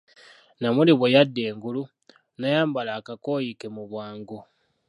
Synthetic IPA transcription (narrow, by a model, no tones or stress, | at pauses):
namuliβwejadːe̞ːŋɡulu | najaːmbalaːkako̞jikemuβwaːŋɡo